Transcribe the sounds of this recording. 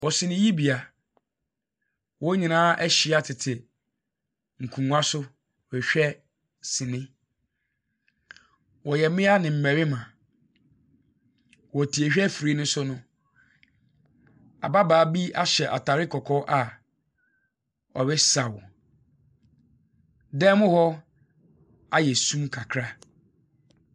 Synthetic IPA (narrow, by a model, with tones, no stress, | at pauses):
wɔ˨sɪ̃˨nɪ̃˦ji˦bi˨a˨ | wɔ˦ɲĩ˨nãː˦ʔɛ˦ɕi˨a˦tʰɪ˨tʰɪ˨ | ŋ̩˨kʰũ˨˦a˦sʊ˦˨ | ɛ˨ɕᶣɛ˦ | sɪ̃˨nɪ̃˦ | wɔ˨jɛ˨mɪ̃˦a˦nɪ̃˨m̩˨mæ̃˨ɾɪ˦mã˨ | wɔ˨tʰi˨e˨ɕᶣɛ˦fɾi˦nʊ̃˦sʊ˦nʊ̃˦ | a̰˨ba˦baː˨˦bi˦a˦ɕɛ˨ʔa̰˨tʰa˨ɾɪ˦kʰɔ˨kʰɔ˦ʔa˨ | ɔ˨bɛ˦sa˨w | dɛ˦mʊ̃˦hɔ˦ | a˦jɛ˨sũ˦mkʰa˨kʰɾa˦